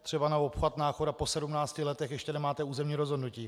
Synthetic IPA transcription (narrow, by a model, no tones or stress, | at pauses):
t̪r̥ɛbanaopxat̪naːxodapo̞sɛdumnaːt͡scɪlɛt̪ɛxjɛʃcɛnɛmaːt̪ɛuːzɛmɲiːɾozɦodnuciː